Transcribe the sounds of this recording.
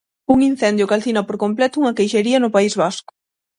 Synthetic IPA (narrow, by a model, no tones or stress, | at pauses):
uŋin̟θɛnd̪jʊkalθinɐpoɾkomplɛt̪ʊuŋɐkejʃeɾiɐnʊpaizβaskʊ̥